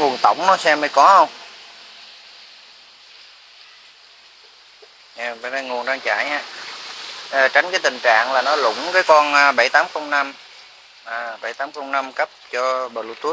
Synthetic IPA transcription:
ŋu˨˩ənt̪ə̰˧˩wŋ͡mnɔ˨˦sɛ˧mə˨˧˦jkɔ˨˦hə˧wŋ͡m | ɲa˨˩vaː˨˩ɗa˧ŋu˨˩ənzaː˧ŋt͡ɕa̰ː˧˨jhaː˧˩ | ʔːt͡ɕa˧˦jŋ̟kaː˨˦jt̪ï˨˩ŋ̟t͡ɕa̰ː˧˨ŋlaː˨˩nɔ˨˦lʊ̰˧˩˦ŋ͡mkaː˨˦jkɔ˧nʔaː˧ɓa˧˩jt̪aː˨˦mxə˧wŋ͡mna˧m | ʔaː˨˩ɓə˧˩jt̪aː˨˦mxə˧wŋ͡mna˧mkə˦˥p̚t͡ɕɔ˧ɓəː˨˩lu˧˩t̪u˦˥

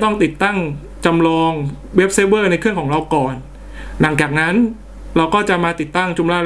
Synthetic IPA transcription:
t̪ɔ˥˩ŋt̪i˨˩t̪ːa˥˩ŋ | t͡ɕa˧mlɔː˧ŋ | we˦˥p̚se˦˥bɤː˥˩na˧jkʰɯ˥˩əŋkʰɔː˩˦ɾa˧wkɔː˨˩n | la˩˦ŋt͡ɕaː˨˩k̚na˦˥n | ɾa˧wkɔː˥˩t͡ɕa˨˩maː˧t̪i˨˩t̪ːa˥˩ŋt͡ɕu˧mlaː˧˩

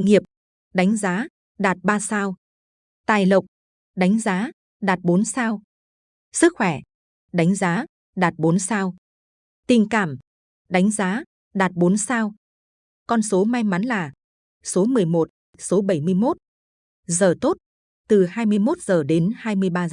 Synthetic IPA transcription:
ŋi˨˩əp̚ | ɗa˨˦jŋ̟zaː˨˦ | ɗaː˨˩t̚ɓaː˧saː˧w | t̪aː˨˩jlə˨˩wk͡p̚ | ɗa˨˦jŋ̟zaː˨˦ | ɗaː˨˩t̚ɓo˨˦nsaː˧w | sɨ˦˥k̚xwɛ˧˩ | ɗa˨˦jŋ̟zaː˨˦ | ɗaː˨˩t̚ɓo˨˦nsaː˧w | t̪ï˨˩ŋkaː˧˩m | ɗa˨˦jŋ̟zaː˨˦ | ɗaː˨˩t̚ɓo˨˦nsaː˧w | kɔ˧nso˨˦ma˧jma˨˦nlaː˨˩ | so˨˦mɨ˨˩əjmo˨˩t̚ | so˨˦ɓə˧˩jmɨ˧əjmo˦˥t̚ | zəː˨˩t̪o˦˥t̚ | t̪ɨ˨˩haː˧jmɨ˧əjmo˦˥t̚z̥əː˨˩ɗe˨˦nhaː˧jmɨ˧əjɓaː˧

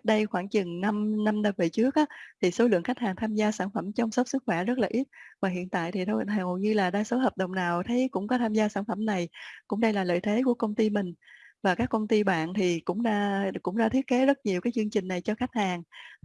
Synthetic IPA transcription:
t̚ɗə˧jxwaː˧˩ŋt͡ɕɨ˨˩ŋna˧mna˧mnə˧və˧˩t͡ɕɨ˦˥ək̚ʔaː˨˦t̪ʰi˨˩so˨˦lɨ̰˧˨əŋxa˦˥k̚haː˨˩ŋt̪ʰaː˧mzaː˧saː˧˩nfə˧˩mt͡ɕɔ˧wŋ͡msə˦˥k͡p̚sɨ˦˥k̚xwɛ˧˩zə˦˥t̚laː˨˩ʔi˦˥t̚vaː˨˩ɦḭ˧˨ənt̪a̰ː˧˨jt̪ʰi˨˩ɗ̪o˧˨ə˨˩o˨jɲɨ˧laː˨˩ɗaː˧so˨˦ɦəː˨˩p̚ɗə̰˧˨wŋ͡mnaː˨˩wt̪ʰə˨˦jkʊ̰˧˥ŋ͡mkɔ˨˦t̪ʰaː˧mzaː˧saː˧˩nfə˧˩mna˨˩jkʊ̰˧˥ŋ͡mɗə˧jlaː˨˩lə̰ː˧˨jt̪ʰe˨˦ku˧˩əkə˧wŋ͡mt̪i˧mï˨˩ŋ̟vaː˨˩kaː˦˥kːə˧wŋ͡mt̪i˧ɓa̰ː˧˨nt̪ʰi˨˩kʊ̰˧˥ŋ͡mɗaː˧kʊ̰˧˥ŋ͡mɗaː˧t̪ʰi˦˥ət̚ke˨˦zə˦˥t̚ɲi˨˩əkaː˨˦jt͡ɕɨ˧əŋt͡ɕï˨˩ŋ̟na˨˩jt͡ɕɔ˧xa˦˥jk̟̚haː˨˩ŋ

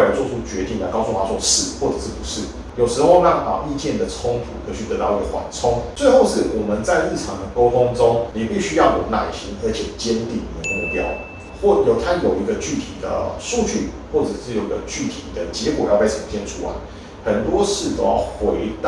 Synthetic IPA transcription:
t͡swɔ˥˧˩u˥t͡ɕɥɛ˧˥t̪i˥˩ŋla˧˥ɪkɑ˥ʊsu˥˧˩t̪ʰa˥sʰwɔ˥˧ʂɻ̩˥˩xwɔ˥˩ʈ͡ʂɤ˨˩ʂɻ̩˥˩pu˧˥ʂɻ̩˥˩ | jo˨˩ʊʂɻ̩˧˥xo˥˧ʊnɑ˥˩ŋpa̰˨˩i˥˧t͡ɕjɛ˥˩nd̪ə˩t͡sʰʊ˥ŋt̪ʰṵ˧˥kʰə˧˥˨t͡ɕʰy˥˩t̪ɤ˧˦t̪ɑ˥˩ʊi˧ɡə˧xwa̰˨˩nt͡sʰʊ˥ŋt͡swe˥˧ɪxo˥˧ʊʂɻ̩˥˩wʔɔ˨˩mə˦nt͡sa˥˧ɪɻɻ̩˥˩ʈ͡ʂʰɑ˧˥ŋd̪ə˨ko˥ʊt̪ʰʊ˥ŋt͡sʊ˥ŋni˨˩pi˥˩ɕy˥jɑ˥˩ʊjo˨˩ʊna˨˩i˨˩ɕi˧˥nə˞˧˥t͡ɕʰjɛ˨˩t͡ɕjɛ˥nt̪i˥˩ni˨d̪ə˧ə˧mṵ˥˩pjɑ˥ʊ | xwɔ˥˩jo˨˩ʊt̪ʰa˥njo˨˩ʊi˧˥ɡə˧t͡ɕy˥˩t̪ʰḭ˨˩d̪ə̰˦su˥˧t͡ɕy̰˥˩ | xwɔ˥˩ʈ͡ʂɤ˨˩ʂɻ̩˥˩jo˨˩ʊi˧˦ɡə˧t͡ɕy˥˩t̪ʰi˨˩d̪ə˦t͡ɕjɛ˧˥kwɔ˨˩jɑ˥˧ʊpe˥˩ɪɤ˨˩ŋt̪ʰjɛ˥nt͡sʰu˥wa̰˧˦ɪ | xə˨˩nt̪wɔ˥ʂɻ̩˥˩t͡so̰˨˩jɑ˥˩ʊxwe˧˥ɪt̪

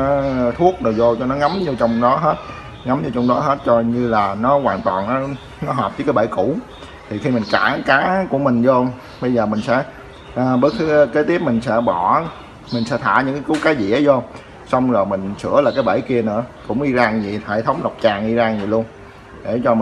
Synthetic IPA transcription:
t̪ʰu˦˥ək̚ɗɨ˨˩wzo˧t͡ɕɔ˧nɔ˨˦ŋa˨˦mɲɨ˧t͡ɕɔ˧wŋ͡mɗɔ˨˦ɦe˦˥t̚ | ŋa˨˦mɲɨ˧wt͡ɕɔ˧wŋ͡mɗɔ˨˦ɦe˦˥t̚t͡ɕɔ˧ɲɨ˧laː˨˩nɔ˨˦kwaː˨˩nt̪waː˨˩nːɔ˨˦ | nɔ˨˦ɦɔː˨˩p̚vɨː˧˦kaː˨˦ɓa̰˧˩˦jku˧˩˨ | t̪ʰi˨˩xi˧mï˨˩ŋ̟kaː˧˩kaː˨˦ku˧˩əmï˨˩ŋ̟zo˧ | ɓə˧jzəː˨˩mï˨˩ŋ̟sɛ̰˧˥ | ʔːɓə˦˥t̚kɨ˨˦ke˨˦t̪i˦˥əp̚mï˨˩ŋ̟sɛ̰˧˥ɓɔ˧˩ | mi̟˨˩sɛ̰˧˥t̪ʰa̰ː˧˩ɲɨ̰˧˥ŋkaː˨˦ku˨˦kaː˨˦jzḭ˧˨˥əzɔ˧ | sɔ˧wŋ͡mzo˨˩jmï˨˩ŋ̟sɨ̰˧˥əlaː˨˩kaː˨˦jɓa̰˧˩jki˧ənɨ̰˧˥əkʊ̰˧˥ŋ͡mʔi˧zaː˧ŋzi˨˩hḛ˧˩t̪ʰə˨˦wŋ͡mla˨˩wk͡p̚t͡ɕaː˨˩ŋʔi˧zaː˧ŋzi˨˩lu˧ən | ɗe˧˩t͡ɕɔ˧m

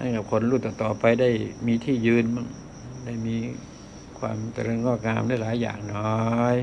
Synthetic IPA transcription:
na̰˧˥˩nka˨˩kʰo˧nɾuː˥˩t̪̚ka˨˩t̪ɔː˨˩pa˧jda˥˩jmiː˧t̪ʰiː˥˩jɯː˧nmɯ˧˥˩ŋ | da˥˩jmiː˧ | kʰwa̰ː˧mt͡ɕa˧ɾeː˧nŋɔː˥˩k̚ŋaː˧mdaː˧˥˩jlaː˨˦jːa̰ː˨˩ŋnɔː˦˥j

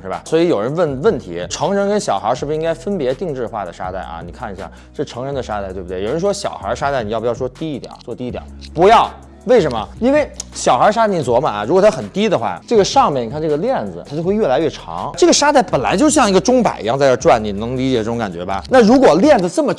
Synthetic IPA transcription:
ʂ̩˥˩bɐ̰˩swɔ˧˥i˧˥jo˨˩ʊɻə˧˥nwə˥˩nwə˥˩nt̪ʰḭ˧˥ʈ͡ʂʰɤ˧˥ŋɻə˧˥nkə˥nɕjɑ˨˩ʊxə̰˞˧˥ʂɻ̩˥˩bu˩ʂi˥ŋka˥ɪfə˥npjɛ˧˥t̪i˥˧ŋʈ͡ʂɻ̩˥˧xwa̰˥˩d̪ə˩ʂa̰˥t̪a̰˥˩ɪʔɐ̰˩ni˨˩kʰa˥˩ni˧˥ɕja̰˥˩ | ʂɻ̩˥˩ʈ͡ʂʰɤ˧˥ŋɻə˧˥nd̪ə˧ʂa˥t̪a˥˧t̪we˥˩bu˩t̪wjɻə˧˥n˥ʂwɔ˥ɕjɑ˨˩ʊxə̰˧˥ʂa˥t̪ni˨˩˥pːjʂwɔ˥t̪i˥i˧˥˩t̪j̰t͡swɔ˥˧t̪i˥˩jɑ̰˨˩˦pu˧˥jɑ˥˩ʊ | we˥˩ɪʂə˧˥nmə̰˧i˥nwe˥˩ɪɕjɑ˨˩ʊxə˧˥ʂa˥t̪a˥˩ni˨˩t͡swɔ˧˥mɐ˨˩ɻu˧˥kwɔ˨˩t̪ʰa˥xə˨˩nt̪i˥d̪ə˨xwa̰˥˧ʈ͡ʂɤ˥˩ɡə˩ʂɑ˥˧ŋmjni˨kʰa˥˧ʈ͡ʂɤ˥˩ɡə˩ljɛ˥˩nd͡zɹ̩˩t̪ʰa˥t͡ɕo˥˧xwe˥˧ɪɥɛ˥˩la˧˥ɪɥɛ˥˩ʈ͡ʂʰɑ̰˧˥ŋʈ͡ʂɤ˥˩ɡə˩ʂa˥t̪a˥˩ɪpə˨˩nla˧˥ɪt͡ɕo˥˧ʂɕjɑ˥˩˧ŋi˧˥ɡə˧ʈ͡ʂʊ˥ŋpa̰˨˩ɪḭ˧˥ɑ˥˧ŋt͡sa˥˧ə˥˧ʈ͡ʂwa˥˩nni˨˩nɤ˧˥ŋli˧˥t͡ɕjɛ˨˩ʈ͡ʂɤ˥˩ʈ͡ʂʊ˧ŋka˨˩nt͡ɕɥɛ˧˥bɐ̰˧na˥˩ɻu˧˥kwɔ˨˩ljɛ˥˩nd͡z̩˩t͡sə˥˩mə˩

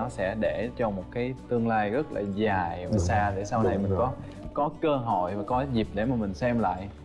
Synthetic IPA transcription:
ɔ˨˦sɛ̰˧˥ɗe˧˩t͡ɕɔ˧mo˨˩t̚kaː˨˦jt̪ɨ˧əŋlaː˧jɣə˦˥t̚la̰ː˨˩zaː˨˩jvaː˨˩saː˧ɗe˧˩saː˧wna˨˩jmï˨˩ŋŋkɔ˨˦ | kɔ˨˦kəː˧ɦo̰˧˨jvaː˨˩kɔ˨˦zi˨˩p̚ɗe˧˩maː˨˩mï˨˩ŋ̟sɛ˧mla̰ː˧˨jʔ

